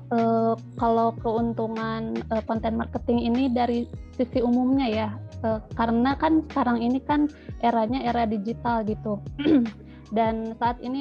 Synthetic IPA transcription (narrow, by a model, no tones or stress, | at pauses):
ʔəː | kalokəunt̪uŋanəkɔnt̪ɛnmarkət̪ɪŋinidaɾisisiumumɲajaəːkaɾənakansə̥kaɾaŋinikan | ʔeɾaɲaeɾadid͡ʒit̪alɡit̪u | dansaːt̪ini